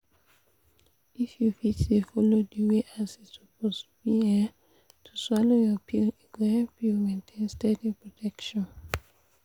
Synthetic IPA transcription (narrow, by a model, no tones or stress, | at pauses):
ifjufitdefɔlodiweʔasitsɔpostubiɛ | tʰuswɔlojɔpʰiliɡãpjumẽntʰẽnstɛdipɹɔtʰɛkʃɔ̃n